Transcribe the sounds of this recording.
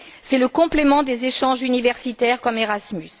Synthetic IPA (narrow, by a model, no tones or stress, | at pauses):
sɛləkɔ̃plemɑ̃d̪ezeʃɑ̃ʒynivɛʁsit̪ɛʁkɔmeʁasmys